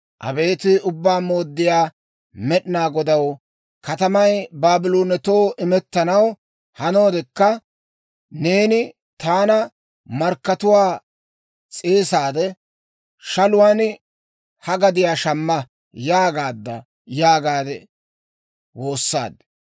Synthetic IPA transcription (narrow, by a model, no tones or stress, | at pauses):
ʔɐ̰be̞ːt̪ɪʊbːaːmo̞ːd̪ːɪjaː | mɛɗɪnaːɡɔd̪ɐw | kɐt̪ɐmɐjbaːbɪloːnɛt̪o̞ːʔɪmɛt̪ːɐnɐw | hɐnoːd̪ɛkːɐ | ne̞ːnɪ | t̪aːnɐ | mɐɾkːɐt̪ʊwaː | t͡sʼeːsaːd̪ɛ | ʃɐlʊwan | hɐɡɐd̪ɪjaːʃɐmːɐ | jaːɡaːd̪ːɐ | jaːɡaːd̪ɛ | wo̞ːsːa̰ːd̪